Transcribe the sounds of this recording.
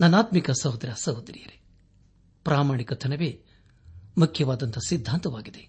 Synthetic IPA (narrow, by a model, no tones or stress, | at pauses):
nɐnːaːt̪mikɐsɐwd̪ɾɐsɐwd̪ɾḭjɐɾe | pɾʔaːmaːɳikɐt̪ʰɐnɐʋeː | mukʰjɐʋaːd̪ɐnt̪ɐsid̪ʱːaːnt̪ɐʋaːɡid̪e